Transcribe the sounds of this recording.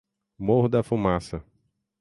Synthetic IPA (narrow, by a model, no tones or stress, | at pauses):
mohd̪ɐfumasɐ